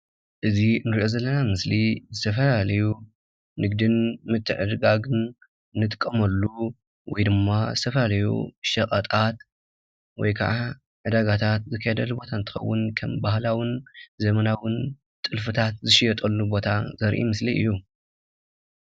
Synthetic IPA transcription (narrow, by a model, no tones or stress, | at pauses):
ʔɨzinɨɾiʔo̞zɐlːɐnamɨslizɨt̪ʰɐfɐlalɐju | nɨɡd̪ɨnmɨt̪ʰːɨʕɨd̪ɡaɡɨn | nɨt̪ʼɨkʼːɐmɐlːu | wɔ̰jd̪ɨmːazɨt̪ʰɐfɐlalɐjṵʃɐkʼɐt̪ʼat̪ | wɔjkʰɐ̰ʔa | ʕɨd̪aɡat̪ʰat̪zɨkʰːɐjɛd̪ɐlːubo̞t̪ʰant̪ʰɨ̥xɐwːʊnkʰɐmbahlawɨnzɐmɐnawɨn | t̪ʼɨlfɨt̪ʰat̪̚zɨʃijɛt̪ʼɐlːubo̞t̪ʰazɐɾʔḭmɨsliʔɨ̰jːu